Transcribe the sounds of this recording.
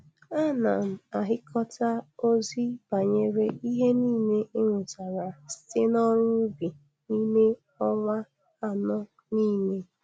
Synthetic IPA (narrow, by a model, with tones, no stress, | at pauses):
a˦na˨m̩˨a˨ɦɪ˦kʰɔ˦ta˦o˦zi˦ba˨ɲe˦ɾe˦i˦ɦe˦niː˦˨ne˦ɪ˦ŋʷʊ˨ta˨ɾa˨ste˦nɔ˦ɾʊ˦bi˨ | ni˦ne˦ | ɔ˦ma˦ | a˨nɔ˦ | niː˦ne˦